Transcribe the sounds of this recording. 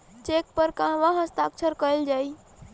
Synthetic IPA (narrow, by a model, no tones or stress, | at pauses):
t͡ʃek̚pəɾkãʋãɦəst̪akt͡ʃʰəɾkəeld͡ʒai